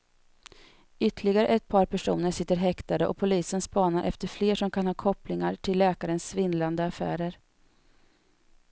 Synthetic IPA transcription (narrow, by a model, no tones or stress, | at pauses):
ʏt̪ːəɭɪɡaɾə̰ʔɛt̪̚pʰɑːɾpʰæʂuːnəɾsɪt̪ːəɾɦɛkt̪ad̪əʔɔ̰pʰʊliːsənspɑːnaɾʔɛ̰ft̪əɾfleːʂɔmkʰanhɑːkʰɔplɪŋaɾʈʰɪlːɛːkaɾənsvɪnland̪əafæ̰ːɾəɾ